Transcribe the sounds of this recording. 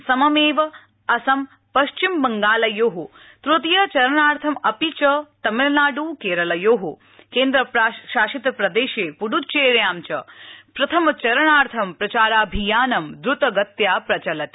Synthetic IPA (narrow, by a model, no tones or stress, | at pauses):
sɐmɐmeːʋɐ | ɐsɐm | pɐʃt͡ʃimbɐŋɡaːlɐjoːɦu | t̪ɾut̪jɐt͡ʃɐɾɐɳaːɾt̪ʰɐmɐpit͡ʃɐt̪ɐmelnaːɖuːkeːɾɐlɐjoːɦu | keːnd̪ɾɐʃaːʃit̪pɾɐd̪eːʃeːpuɖut͡ʃeːɾjaːmt͡ʃɐ̰pɾɐt̪ʰɐmɐt͡ʃɐɾɐɳaːɾt̪ʰɐmpɾɐt͡ʃaːɾaːbʱijaːnɐmd̪ɾut̪ɐɡɐt̪jaːpɾɐt͡ʃɐlɐt̪